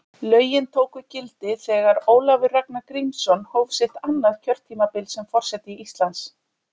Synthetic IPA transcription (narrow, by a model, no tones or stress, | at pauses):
lœːɥjɪnt̪ʰoːwkʏcɪlt̪ɪθɛːɣaɾoːwlavɪraknakɾimsɔnhoːwvsɪht̪anːaðcʰœɾ̥t̪ʰːiːmapɪlt̪sɛmfɔr̥sɛt̪ɪiist̪lans